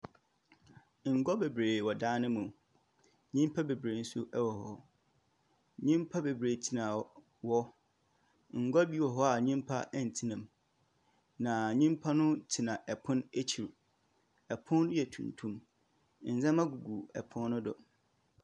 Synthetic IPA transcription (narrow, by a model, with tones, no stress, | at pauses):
ŋ̩˨ɡɔ˦be˨bɾeː˨wɔ˨dãː˦nɪ̃˦mũ˨ | ɲĩ˦m˦pʰa˦be˨bɾe˨n̩˦sʊ˦ʔɛ˦wɔ˨hɔ˦ | ɲĩ˦mpʰa˦be˨bɾeː˨tʰi˨nã˨ | wɔ˦ | ŋ̩˨ɡɔ˦bi˦wɔ˨ɦɔ˦a˨ɲĩ˦mpʰa̰˦ʔɛ˨n̩˨tʰi˦nã˨m | nã˨ɲĩ˦mpʰa˦nʊ̃˦tʰi˨nã˨ʔɛ˨pʰʊ̃˦ne˦t͡ɕʰi˨ɾ | ɛ˨pʰʊ̃˦n˦jɛ˨tʰṵ̃˨n˨tʰũ˦m | n̩˨zɛ̃˦mã˦ɡu˨ɡu˨ɛ̰˨pʰʊ̃˦nː˦ʊ̃˦dʊ̰˨